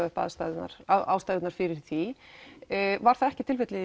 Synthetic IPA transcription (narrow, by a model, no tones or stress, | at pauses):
œhpa̰ðst̪aðna̰ɾ̥aa̰wst̪ajðɪt̪naɾ̥fɪɾɪɾ̥θi | vaɾ̥θaðɛhcɪt̪ʰɪlfɪht̪lɪ